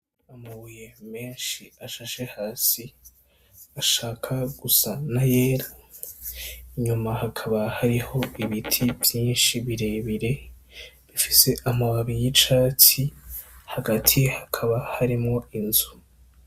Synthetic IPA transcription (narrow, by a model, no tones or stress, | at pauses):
amuβujeme̞ːnʃiaʃaʃe̞haːsi | aʃaːkʰaɡ̥usanaje̞ːɾa | iɲumahakʰaβahaɾiho̞iβitʰivjiːnʃiβiɾe̞βiɾe̞ | βifise̞ʔamawaβijit͡ʃaːt͡sihaɡatʰijehakʰaβahaɾimŋo̞inzu̥